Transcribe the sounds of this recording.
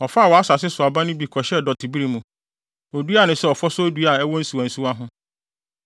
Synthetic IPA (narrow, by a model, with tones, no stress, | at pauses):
ɔ˨fa˦˨wɔ˨a˦sa˨sɪ˦sʊ˨a˨bã˦nʊ̃˦bi˨kʰɔ˨ɕɛ˦dɔ˨tʰi˨bi˦ɾi˦mũ˨ | ɔ˨du˦a˦˨nʊ̃˨sɛ˦ɔ˨fɔ˦sʊ˦du˦a˨ɛ˦wɔ˦n̩˦su˨ã˨n̩˨su˦a˦ɦʊ̃˦